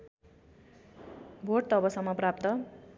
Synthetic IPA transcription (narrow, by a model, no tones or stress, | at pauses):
bʱorʈt̪ʌbʌsʌmːʌprap̚t̪ʌ